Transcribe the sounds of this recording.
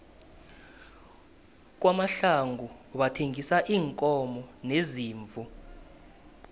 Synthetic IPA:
k̬wamaɬaŋɡʱuɓatʰeŋisaʔiːŋkʼɔmɔneziːɱvu

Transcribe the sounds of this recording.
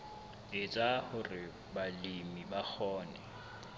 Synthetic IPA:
ɪt͡ʃʼahʊrɪ | balimibak͡xʰɔːnɛ̰

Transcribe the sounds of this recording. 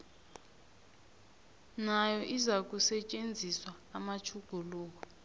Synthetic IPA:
najɔʔizak̬ʼusɛt͡ʃʼend͡zʱiswaːmat͡ʃʰuɡ̥ʱuluːk̬ɔ

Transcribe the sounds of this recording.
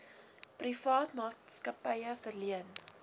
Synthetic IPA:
prifɑːtmɑːtskɐpəjəfərliən

